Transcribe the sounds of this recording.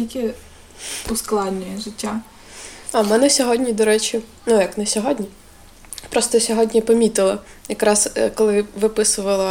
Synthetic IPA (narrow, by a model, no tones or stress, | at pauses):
jɐkʲi | ʊsklˠɑd̪ʲnʲijʒɪtʲːa | amɛnɛsʲɔɦɔdʲnʲid̪ɔɾɛt͡ʃʲʊ | nujɐknɛsʲɔɦɔdʲnʲi | pɾɔst̪ɔsʲɔɦɔdʲnʲipɔmʲit̪ɪlˠɐ | jɐkɾɑskɔlˠɪʋɪpɪsʊʋɐlˠɐ